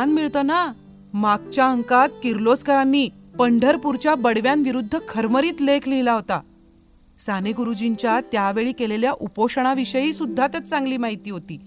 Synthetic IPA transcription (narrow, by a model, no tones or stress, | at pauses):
anmiɭt̪əna | maɡt͡ɕjaəŋkat̪̚kiɾloskəɾanːiːpəɳɖʱəɾpuɾt͡ɕjabəɽʋjanʋiɾud̪ʱːəkʰəɾməɾiːt̪lekʰliilaɦot̪a̰ | saneɡuɾud͡ʑiɲt͡ɕjat̪jaʋeɭiːkeleljaʔupoʂəɳ̃aʋiʂəjiːsud̪ʱːat̪ət͡st͡sãŋɡliːmaɦit̪iːɦot̪iː